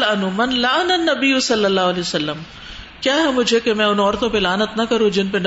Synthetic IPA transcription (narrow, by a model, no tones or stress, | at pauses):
lɐnumɐnlɐɐnɐnːɐbijusɐlːɐlːaːɦɐlɛːsɐlːəm | kjaːɦɛmʊd͡ʒʱekemɛ̃ʊnɔːɾt̪õpelaːnət̪nɐkɐɾũd͡ʒɪnpen